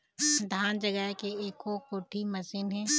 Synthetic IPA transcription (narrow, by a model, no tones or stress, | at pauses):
d̪ʱaːnd͡ʒəɡəɦkeeːkokoːʈʰimɐsɪnɦɛ̃ː